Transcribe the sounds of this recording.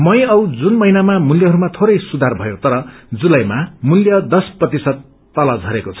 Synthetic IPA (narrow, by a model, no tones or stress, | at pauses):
mʌjʌwd͡zunmʌɦinamamuljʌɦʌɾumat̪ʰoɾʌjsud̪ʱarbʱʌjot̪ʌɾʌd͡zulʌjmamuljʌd̪ʌsprʌt̪isʌd̪ː | ʌlʌd͡zʱʌɾekot͡sʰʌ̥